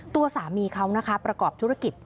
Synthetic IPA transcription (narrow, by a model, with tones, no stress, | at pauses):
t̪u˧ɐsaː˩˦miː˧kʰa˦˥wna˦˥kʰa˦˥pɾa˧kɔː˨˩p̚t̪ʰu˦˥ɾa˧ki˨˩t̪̚